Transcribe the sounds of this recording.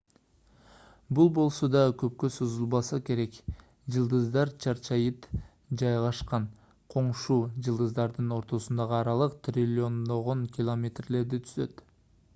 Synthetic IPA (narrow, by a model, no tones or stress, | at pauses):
bulˠbo̞lˠso̞d̪ɑkʰø̞p̚kø̞suzulˠbɑsɑke̞ɾe̞k | d͡ʒɯlˠd̪ɯzd̪ɑɾt͡ʃʰɑɾt͡ʃʰɑjɯt̪ | d͡ʒɑjʁɑʃqɑn | qʰo̞ɴʃuːd͡ʒɯlˠd̪ɯzd̪ɑɾd̪ɯno̞ɾt̪o̞sund̪ɑʁəɑɾɑlˠɯqt̪rʲilʲːɪo̞nd̪o̞ʁo̞ŋkʲɪlˠomʲe̞t̪rle̞ɾd̪it̪ʰyzø̞t̪